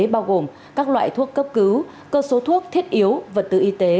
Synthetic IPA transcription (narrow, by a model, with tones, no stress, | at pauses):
ɓaː˧wɣo˨˩m | kaː˦˥k̚lwa̰ː˧˨jt̪ʰu˦˥əkːə˦˥p̚kɨ˨˦w | kəː˧so˨˦t̪ʰu˦˥ək̚t̪ʰi˦˥ət̚ʔi˨˦əwvaː˨˩t̪ɨ̰˧˨˩ʔi˧t̪e˨˦